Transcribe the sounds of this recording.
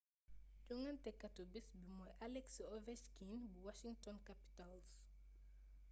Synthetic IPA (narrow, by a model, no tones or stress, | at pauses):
d͡ʒuŋɐntɛkːɐtobisbimɔjʔalɛksiɔvɛʃkinbuwaʃiŋtɔnkapi̥tals